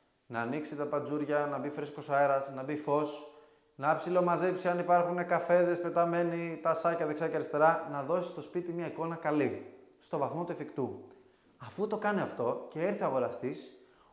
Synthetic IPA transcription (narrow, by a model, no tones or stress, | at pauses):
nɐːniksit̪ɐpɐd͡zuɾʝɐnɐbifɾiskosɐeɾɐsnɐbifo̞s | nɐɐpsilomɐzepsiɐnipɐɾxune̞kɐfe̞ðe̞spe̞t̪ɐme̞nit̪ɐsɐcɐðeksɐceɐɾist̪e̞ɾɐnɐðo̞si̥st̪o̞spit̪imɲɐiko̞nɐkɐlist̪o̞vɐθmo̞t̪uefikt̪u | ɐfut̪o̞kɐniɐft̪o̞ce̞eɾθioɐɣo̞ɾɐst̪is